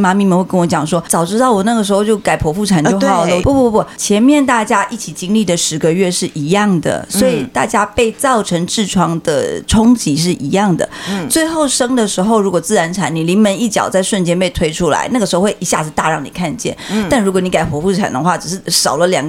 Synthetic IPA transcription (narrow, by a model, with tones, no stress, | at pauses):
ma˧˥mi˧˥mə˧˥nxwkə˥nwɔ˧˥t͡ɕjɑ˨˩ŋʂwɔ˥t͡sɑ˨˩ʊʈ͡ʂɻ̩˥t̪ɑ˥˩ʊwɔ˨˩na˥˩ɡə˩ʂɻ̩˧˥xo˥˧ʊt͡ɕjo˥˩ʊka˨˩ɪpʰwɔ˧˥fu˥˩ʈ͡ʂʰa˨˩nt͡ɕjo˥˩ʊɑ˨˩ʊlə˦pɔ˥˩pɔ˥pɔ˥˩t͡ɕʰjɛ˧˥nmjɛ˥˧nt̪a˥˩t͡ɕja˥ʔi˥˩t͡ɕʰi˨˩t͡ɕi˥ŋli˥˩d̪ə˩ʂɻ̩˧˥ɡə˧ɥɛ˥˧ʂɻ̩˥˩ʔi˧˥jɑ˥˩ŋd̪ə̰˩swɔ˧˥i˨˩t̪a̰˥˩t͡ɕja˥pe˥˧ɪt͡sɑ˥˩ʊʈ͡ʂʰɤ˧˥ŋʈ͡ʂɻ̩˥˩ʈ͡ʂʰwɑ˥ŋd̪ə̰˨ʈ͡ʂʰʊ˥ŋt͡ɕi˧˥ʂɻ̩˥˩ʔi˧˥jɑ˥˩ŋd̪ə̰˩t͡swe˥˧ɪxo˥˩ʊʂɤ˥ŋd̪ə˨ʂɻ̩˧˥xo˥˧ʊɻu˧˥kwɔ˨˩t͡sɹ̩˥˩ɻa˧˥nʈ͡ʂʰa˧˥nni˨˩li˧˥ŋmə˧˥ni˥˩t͡ɕjɑ̰˨˩ʊt͡sa˥˧ɪʂwə˥˩nt͡ɕjɛ˥npe˥˩ɪt̪ʰwe˥ɪʈ͡ʂʰu˥la̰˧˥ɪna˥˩ɡəʂɻ̩˧xo˥˧ʊwe˥˩i˧˥ɕja˥˧˥t̪a̰˥˧ɻɑ˥˩ŋni˨˩kʰa˥˧nt͡ɕjɛ̰˥˩na˥˩nɻu˧˥kwɔ˧˦ni˧˥ka˨˩ɪpʰwɔ˧˥fu˥˩ʈ͡ʂʰa̰˨˩nd̪ə̰˦xwa˥˩ʈ͡ʂ̩˨˩ʂɻ̩˥˩ʂɑ˨˩ʊlə˦ljɑ̰˨˩ŋ